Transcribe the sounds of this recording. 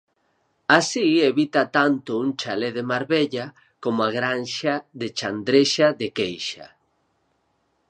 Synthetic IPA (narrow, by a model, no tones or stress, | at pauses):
asieβit̪at̪ant̪ʊuŋt͡ʃaleðemaɾβeʎa | komʊaɣɾanʃaðet͡ʃand̪ɾeʃaðekejʃa̰